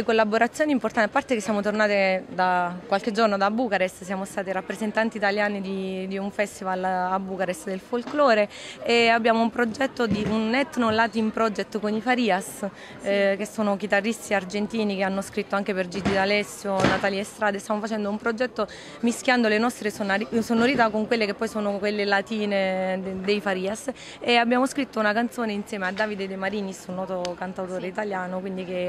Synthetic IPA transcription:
lekolːaboɾat̪sːjoːnimport̪ant̪apːart̪ekesjamot̪ornaːt̪ed̪akwalked͡ʒːornod̪abːuːkaɾest̪sjaːmost̪aːt̪iɾapːɾezent̪ant̪iːt̪aljaːnid̪id̪iuɱfɛst̪ivalabːuːkaɾest̪d̪elfolklɔːɾeeabːjaːmoumpɾod͡ʒɛt̪ːod̪iunːɛt̪ːnolaːt̪impɾɔd͡ʒɛt̪ːkonifaɾiːas | kesːoːnok̟it̪arːist̪iard͡ʒent̪iːnikeanːoskɾit̪ːoaŋkeperd͡ʒid͡ʒ̪id̪alɛsːjonat̪aːliest̪ɾaːd̪est̪jamofat͡ʃɛnd̪oumpɾod͡ʒɛt̪ːo | misk̟jand̪olenɔst̪ɾesonaɾisonːoɾiːt̪akoŋkwelːekepːɔjsoːnokwelːelat̪iːned̪ejfaɾiːas | eabːjaːmoskɾit̪ːounakant̪soːneinsjɛːmead̪ːaːvid̪ed̪emaɾiːnisunːɔːt̪okant̪awt̪oːɾeit̪aljaːnokwind̪ike

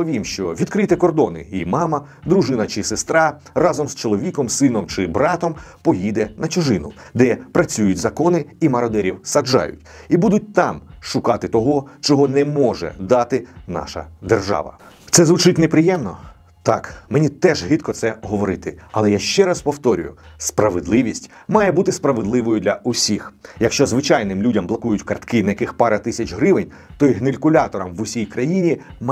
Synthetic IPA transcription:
ɔʋʲimʃt͡ʃɔʋʲid̪kɾɪt̪ɛkɔrd̪ɔnɪ̰imɑmɐ | d̪ɾuʒɪnɐt͡ʃɪsest̪ɾɑ | rɑzɔmst͡ʃɔlˠɔʋʲikɔmsɪnɔmt͡ʃɪbɾɑt̪ɔmpɔjid̪ɛnɐt͡ʃʊʒɪnʊd̪ɛpɾɐt͡sʲujʊtʲzɐkɔnɪimɐɾɔd̪ɛɾʲiwsɐd͡ʒɑ̰jʊ̰tʲibud̪ʊt̚ʲt̪ɑmʃʊkɑt̪ɪt̪ɔɦɔt͡ʃɔɦɔnɛmɔʒɛ̰d̪ɑt̪ɪnɑ̰ʃɐ̰d̪erʒɑ̰ʋɐ̰ | t̪sɛzʋʊt͡ʃɪtʲnepɾɪjɛmnɔ | t̪ɑkmenʲit̪ɛʒɦɪt̪kɔt̪sɛɦɔʋɔɾɪt̪ɪɐlˠɛjaʃt͡ʃɛɾɑspɔwt̪ɔɾʲʊjʊspɾɐʋed̪lˠɪʋʲisʲtʲmɑjɛbut̪ɪspɾɐʋedlˠɪʋɔjʊd̪lʲɐʔʊsʲixjɐkʃt͡ʃɔzʋɪt͡ʃɑjnɪmlʲudʲɐmblˠɐkujʊtʲkɐrt̪kɪnɐjɐkɪxpɑɾɐt̪ɪsʲɐt͡ʃɦɾɪʋɪnʲ | t̪ɔiɦnelʲkʊlʲɑt̪ɔɾɐmʋʊsʲijkɾɐjinʲim

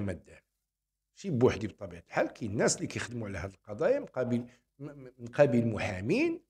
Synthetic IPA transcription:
mæd̪ːæ | ʃibwaħd̪ib̚t̪ˤːɑbiʕət̪lħalkinːæslikæjəxd̪əmuʕlæhæd̪əlqɑd̪ˤɑjɑmnqɑbil | nqæbilmʊħæmin

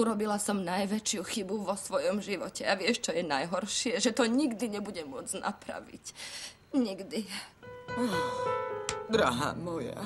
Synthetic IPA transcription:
uɾɔbilasɔmnajʋɛt͡ʃɪjuxibuʋɔsʋɔjɔmʒiʋɔcɛaʋɪɛʃt͡ʃɔjɛnajɦɔɾʃɪɛʒɛt̪ɔɲiɡd̪iɲɛbuɟɛmʊɔd͡znʔa̰pɾa̰ʋḭc | ɲiɡd̪i | d̪ɾaɦa̰mɔja̰

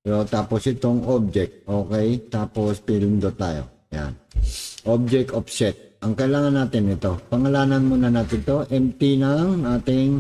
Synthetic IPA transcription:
jot̪aːposʔɪt̪oŋʔob̚d͡ʒɛk̚t̪̚ʔoːkɛjt̪aːpospilɪnd̪ot̪a̰ːjo̰ | ja̰nʔob̚d͡ʒɛk̚t̪opsɛt̪̚ʔɐŋkɐʔɪlaːŋɐnːaːt̪ɪnɪt̪o̞pɐŋɐlaːnɐnmunɐnat̪ɪt̪oʔɛmt̪inɐŋaːt̪ɪŋ

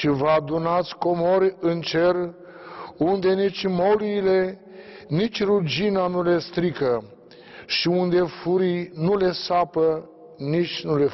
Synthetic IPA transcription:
ʃivəad̪unat̪sʲko̞mo̞ɾʲɨnt͡ʃe̞r | und̪e̞nit͡ʃʲmo̞liːle̞ | nit͡ʃʲrud͡ʒinanule̞st̪ɾikə | ʃiund̪e̞fuɾinule̞sapə | nit͡ʃʲnule̞

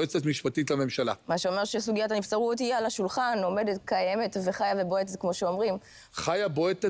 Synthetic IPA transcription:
et͡setmiʃpatitlame̞mʃala̰maʃeo̞me̞ʁʃesuɡijatanift͡saʁutialaʃulχanome̞detkaje̞me̞tveχajaveboetzkmo̞ʃeo̞mʁim | χajaboet

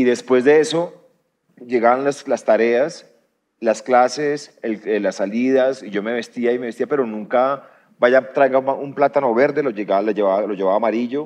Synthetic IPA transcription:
iðe̞spwe̞zd̪e̞e̞so̞ | d͡ʒe̞ɣaβanlaslast̪aɾe̞as | lasklase̞selelasːaliðasiʝo̞me̞βe̞st̪iaimeβest̪iape̞ɾo̞nũŋka | baʝat̪ɾajɣaumplat̪ano̞βe̞ɾd̪e̞loeɣaloeβaalo̞ʝe̞βaβaːmaɾiʝo̞

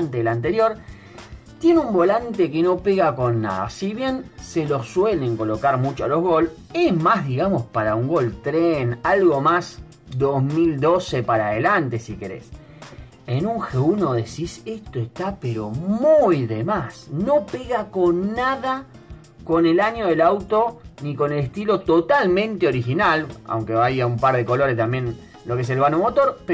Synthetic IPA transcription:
nt̪elant̪e̞ɾjo̞ɾ | t̪je̞neumbo̞lant̪ekeno̞peɣako̞nːa̰ða̰siβje̞nselo̞swele̞ŋko̞lo̞kaɾmut͡ʃoalo̞ɦɣo̞l | eɦmazðiɣamo̞spaɾauŋɡo̞lt̪ɾenalɣo̞mas | d̪ozmild̪ose̞paɾaðelant̪e̞sike̞ɾḛs | enuŋxeuno̞ðe̞sisest̪oest̪apeɾo̞mujðe̞masno̞peɣako̞nːaða | ko̞nelaɲoðelawt̪o̞niko̞ne̞lest̪ilo̞t̪ot̪almẽ̞nt̪eo̞ɾixinala̰wŋkeβaiaumpaɾðeko̞lo̞ɾest̪ambjẽ̞n | lo̞kees̬e̞lβanomot̪o̞ɾp

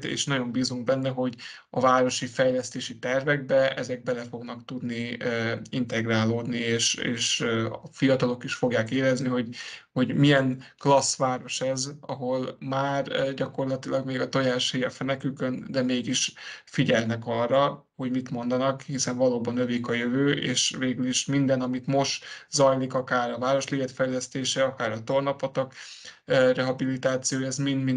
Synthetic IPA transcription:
ḛːʃnɒɟo̞mbiːzuŋɡbɛnːɛɦo̞ɟ | ɒvaːɾo̞ʃifɛjlɛst̪eːʃit̪ɛrvɛɡ̚bɛɛzɛɡ̚bɛlɛfo̞ɡnɒkt̪ud̪ni | int̪ɛɡraːloːd̪nieːʃḛːʃɒfijɒt̪ɒlo̞kiʃfo̞ɡjaːkeːɾɛzniɦo̞ɟho̞ɟmijɛŋklɒsʋaːɾo̞ʃɛzɒɦo̞lmaːrɟɒko̞rlɒt̪ilɒɡmeːɡɒt̪ojaːʃheːfɛnɛkykønd̪ɛmeːɡiʃfiɟɛlnɛkɒrːɒ | ho̞ɟmit̪mo̞nd̪ɒnɒkhisɛɱvɒloːbɒnøviːkɒjøvøːʔḛːʃveːɡyliʃmind̪ɛnɒmit̪mo̞ʃtzɒjlikɒkaːɾɒvaːɾo̞ʃlivɛt̪fɛjlɛst̪eːʃɛɒkaːɾɒt̪o̞rnɒpɒt̪ɒk | rɛɦɒbilit̪aːt̪sijoːjɛzminmi

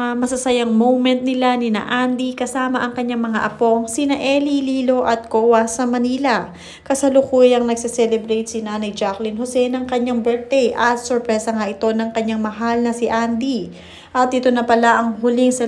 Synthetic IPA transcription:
mɐsɐsɐjaŋmowmɛnt̪̚nɪlanɪnɐ̰ʔand̪ikɐsaːmɐʔɐŋkɐɲːaŋmɐŋaʔɐpo̞ŋsinɐʔɛliliːlo̞ʔɐt̪̚koːwɐsɐmɐniːlɐ | kɐsɐlʊkuːjɐŋnɐɡsɛsɛlɛbɾejt̪sinaːnɐjd͡ʒaklɪnhosɛnɐŋkɐɲaŋbɛɹt̪̚d̪ɛjʔɐt̪soɹpɾɛsɐŋaʔɪt̪o̞nɐŋkɐɲːaŋmɐɦalnɐsiʔand̪i | ʔɐt̪̚ʔɪt̪onɐpɐlaʔɐŋɦʊlɪŋsɐ

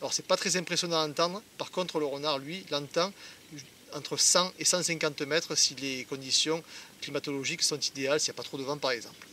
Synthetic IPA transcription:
alɔʁsɛpat̪χɛzɛ̃mpχesjɔ̃d̪ɑ̃nɑ̃t̪ɑ̃d̪ʁəpaʁkɔ̃t̪χələʁənaʁlɥilɑ̃t̪ɑ̃ | ɑ̃t̪χəsɑ̃ʔesɑ̃sɛ̃ŋkɑ̃t̪mɛt̪χəsilekɔ̃d̪isjɔ̃klimat̪ɔlɔʒiksɔ̃t̪id̪ealsijapat̪χod̪əvɑ̃paʁɛɡzɑ̰̃pl

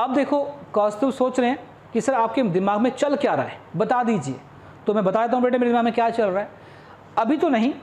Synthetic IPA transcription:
ɐb̚d̪eːkʰokɔ̃ːsʈəmsoːt͡ʃɾɐeɛ̃ | kisɐɾaːp̚ked̪ɪmaːɡmẽt͡ʃɐlkeaːɾɐɦḛɦɛbɐt̪ad̪iːd͡ʒiḛː | t̪omɛ̃bɐt̪aːd̪eːt̪aɦũbeːʈemeːɾedɪmaːɡmẽkjaːt͡ʃɐlɾaɛ | ɐbʱit̪onɐɦĩ

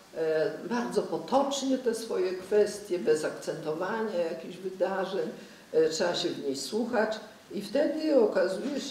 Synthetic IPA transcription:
baɾd̪zɔpɔt̪ɔt͡ʂɲɛt̪ɛsfɔjɛkfɛst̪ʲjɛbɛzakt̪sɛnt̪ɔvaɲajakʲiʑvɘd̪aʐɛɲ | tʂɛaɕɛvɲejswuxat͡ɕ | ift̪ɛd̪ɘɔkazujɛ

